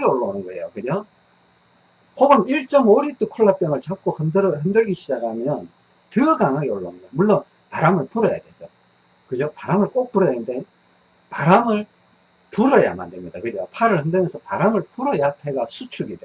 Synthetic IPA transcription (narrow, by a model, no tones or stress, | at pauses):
eoɭːonɯnɡʌḛjokɯd͡ʑo | hobɯniɭt͡ɕ͈ʌmoɾit͈okʰoɭːap͈jʌŋɯɭt͡ɕak͈ohɯndɯɾhɯndɯɭɡiɕʰid͡ʑakɯamjʌn | tɯɡaŋaɡeoɭːonɯnɡʌjmuɭːon | paɾamɯɭpuɾʌja̰dwe̞d͡ʑo | kɯd͡ʑopaɾamɯɭk͈ok̚p͈uɾʌjanɯnde̞ | paɾamɯɭ | puɾʌja̰ma̰ndɯɭmɲidakɯd͡ʑopʰaɾɯɭhɯndɯmjʌnsʰʌpaɾamɯɭpuɾʌjatʰe̞ɡasʰut͡ɕʰuɡide